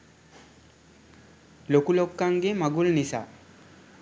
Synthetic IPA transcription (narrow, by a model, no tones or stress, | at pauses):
lokulokːaŋɡemaɡulnisa̰